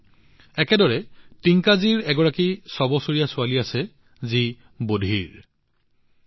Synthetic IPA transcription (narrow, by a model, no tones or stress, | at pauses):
ɛkɛdɔɹɛtiŋkaziɹɛɡɔɹakisɔbɔsoɹijasʊaliasɛ | zi | bodʱiɹ